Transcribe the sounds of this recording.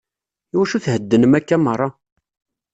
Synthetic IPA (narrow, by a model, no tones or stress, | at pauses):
iwæʃuθhəd̪ːənəmækːæmərˤːɑ